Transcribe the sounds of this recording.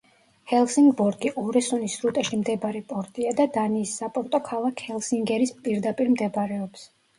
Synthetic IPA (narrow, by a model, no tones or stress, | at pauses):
hɛlˠsiŋɡbɔɾɡiʔɔɾɛsunisɾut̪ʼɛʃimd̪ɛbaɾɛpʼɔɾt̪ʼiad̪ad̪aniːsːapʼɔɾt̪ʼɔkʰalˠakʰhɛlˠsiŋɡɛɾispʼiɾd̪apʼiɾmd̪ɛbɾɛɔps